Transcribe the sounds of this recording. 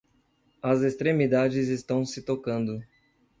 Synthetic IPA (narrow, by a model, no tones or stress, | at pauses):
ɐzest̪ɾemid̪ad͡ʒɪzest̪ɐ̃w̃sɪt̪okɐ̃nd̪ʊ